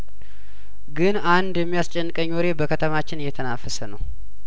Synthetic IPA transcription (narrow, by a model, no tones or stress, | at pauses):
ɡɨnand̪jɛmːijast͡ʃʼɛnːɨkʼəɲːoɾe̞bəkʰət̪ʰəmat͡ʃːɪnɨjːɛt̪ʰənafəsənəw